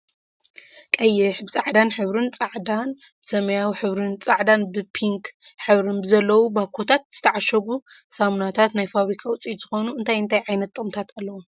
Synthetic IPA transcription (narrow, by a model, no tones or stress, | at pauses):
kʼɐjːɛħbt͡sʼaʕd̪anħɨβɾɨnt͡sʼaʕd̪an | sɐmɐjawiħɨβɾɨnt͡sʼaʕd̪anbɨpʰiŋkħɨβɾɨnbɨzɐlːɐwubakʰo̞t̪ʰat̪̚z̥ɨ̥t̪ʰɐʕaʃɐɡusamnat̪ʰat̪najfaβɾikʰawut͡sʼiz̥ɨxo̞nuɨnt̪ʰajɨnt̪ʰajʕajnɐt̪ʼːɨɣʼɨmt̪ʰat̪alːɐwu